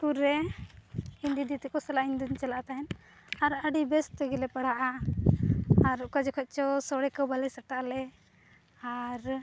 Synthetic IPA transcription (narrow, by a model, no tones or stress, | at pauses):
kuɾːɛ | ind̪id̪it̪ɛkɔsɛlaʔind̪uɲt͡ʃalaʔt̪aɦɛn | aɾəɖibɛst̪ɛɡilɛpaɽ̤aʔa | aɾkad͡ʒɛkʰɔc̚ˀt͡ʃɔsɔɽɛkəwbalɛsəʈaʔlɛ | aɾ